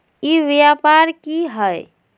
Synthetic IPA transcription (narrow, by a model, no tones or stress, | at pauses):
iʋjapaɾkiɦəj